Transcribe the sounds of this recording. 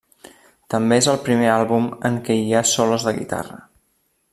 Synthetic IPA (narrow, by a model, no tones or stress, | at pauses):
t̪əmbeezəlˠpɾimealˠβuməŋkɛiasɔləzðəɣḭt̪a̰rə̰